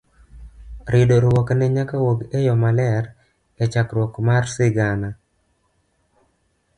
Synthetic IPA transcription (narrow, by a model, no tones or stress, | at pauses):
ɾɪdoɾwɔknɛɲakawoɡejɔmalɛɾ | et͡ʃakɾwɔkmarsɪɡana